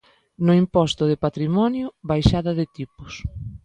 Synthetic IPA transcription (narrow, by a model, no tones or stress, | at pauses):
nʊimpɔst̪ʊðɪpat̪ɾimɔnjʊβajʃaðɐðɪt̪ipʊs